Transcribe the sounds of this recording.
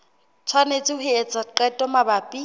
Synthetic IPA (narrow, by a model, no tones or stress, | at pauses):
t͡sʰwanet͡sʼɪhʊet͡sʼaǃɛtʼɔmabaːpʼi